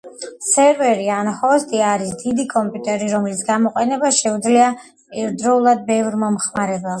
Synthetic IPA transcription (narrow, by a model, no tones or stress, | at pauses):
sɛɾvɛɾianhɔst̪ʼiaɾisd̪id̪ikʼɔmpʼjut̪ʼɛɾiɾɔmlisɡamɔqʼɛnɛbaʃɛud̪zlia | pʼiɾd̪ɾɔulˠad̪̚bɛvɾmɔmχmaɾɛbɛlˠ